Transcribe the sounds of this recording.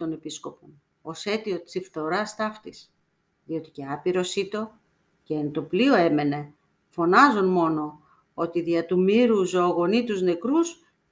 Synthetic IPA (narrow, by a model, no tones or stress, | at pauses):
t̪o̞ne̞pisko̞pon | o̞se̞t̪io̞t̪t͡sifθo̞ɾɐst̪ɐft̪is | ðio̞t̪i̥ce̞ɐpiɾo̞sit̪o̞ | ceent̪o̞plio̞e̞me̞ne̞ | fo̞nɐzonmo̞no̞ | o̞t̪iðiɐt̪umiɾuzoɣo̞nit̪uzne̞kɾus